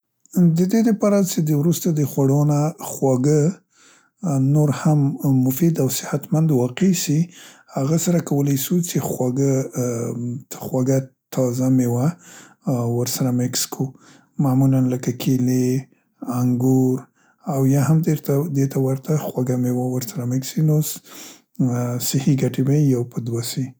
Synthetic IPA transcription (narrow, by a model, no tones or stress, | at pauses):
d̪əd̪ed̪əpɑɾat͡ʃed̪əwɾust̪ad̪əxwaɽonaxwaɡə | noɾhamːʊfid̪awsɪhat̪mand̪wɑqesi | haɣasaɾakawəlajʃut͡ʃexwaɡə | əxwaɡat̪ʰɑzamewa | wəɾsaɾamɪkskʰu | mamulanləkakʰele | aŋɡuɾ | awjɑhamd̪eɾt̪ad̪et̪awaɾt̪axwaɡamewawəɾsaɾamɪksinos | sɪhiɡaʈebajjawpʰəd̪wasi